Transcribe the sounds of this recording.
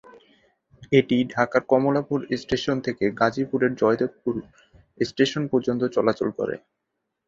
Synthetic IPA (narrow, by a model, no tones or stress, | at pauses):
eʈiɖʱakaɾkɔmolapuɾesʈeʃont̪ʰekeɡad͡ʑipuɾeɾd͡ʑɔet̪epuɾ | sʈeʃonpoɾd͡ʑont̪ot͡ɕɔlat͡ɕolkɔ̰ɾḛ